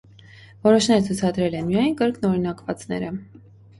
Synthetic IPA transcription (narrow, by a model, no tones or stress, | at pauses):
vɔɾɔʃnɛɾət͡sʰut͡sʰɑd̪ɾɛlɛnmijɑjnkəɾkʰnɔɾinɑkvɑt͡sn̪ɛ̰ɾə